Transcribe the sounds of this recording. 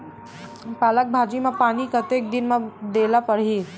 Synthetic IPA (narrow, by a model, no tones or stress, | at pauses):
paːlək̚bʱad͡ʒimapaːnikət̪ek̚d̪inmad̪elapəɽɦi